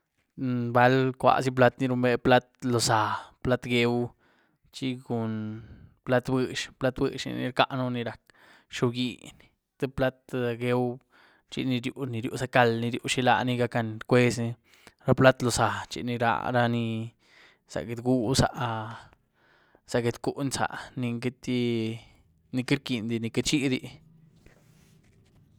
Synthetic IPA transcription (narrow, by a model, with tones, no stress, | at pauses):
ba˧lkʷa̰˧s̬i˦p̬la˦t̪ni˧ɾu˧mbe˧pla˦t̪lo˨sa˨pla˦t̪ɡe˧w | t͡ʃi˦ɡu˨npla˦t̪bɨ˧ʃpla˦t̪bɨ̰˧ʃnḭ˧nḭ˧ɾka˧ʔnu˦ni˧ɾa˨k | ʃo˧ɡḭ˧˨n | t̪e˦pla˦t̪ɡe˧˦w | t͡ʃḭ˧ni˧ɾju˧ni˧ɾjṵ˧sa˧ka˧lni˧ɾju˧ʃi˧la̰˧ni˧ɡa˧ka˧nkʷe˦sni˧ | ɾa˦pla˦t̪lo˧sa˨t͡ʃḭ˧ni˧ɾa̰˧ɾa˧ni˧ | sa̰˨ɡe˧d̪ɡu˦sa̰˨˧ʔ | sa˨ɡe˧t̪ku˦ʔnsa̰˨ʔni˧ɡe˧t̪i˧ | ni˧ki˦ɾki˨nd̪i˧ni˧ke˧t͡ʃi˦d̪i˧